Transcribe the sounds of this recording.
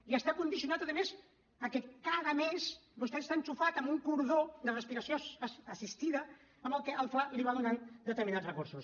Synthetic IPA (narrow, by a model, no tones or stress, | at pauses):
iəst̪akund̪isiunat̪əðəmez | əkɛkaðəmezbust̪ɛt̪est̪ant͡ʃufat̪əmbuŋkuɾðod̪ərəspiɾəsijoːsist̪iðə | əmbəlˠkɛʔəlˠfaliβaðunand̪ət̪əɾminazrəkuɾsus